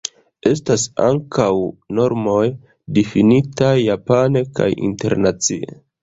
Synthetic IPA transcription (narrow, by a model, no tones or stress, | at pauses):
e̞stasa̰ŋkawno̞ɾmo̞j | difinitajːapaneka̰jḭnte̞̰ɾnat͡siḛ